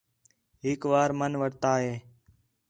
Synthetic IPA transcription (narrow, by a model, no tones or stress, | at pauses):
ɦɪkʋaːɾmənʋəɽt̪aːɦeː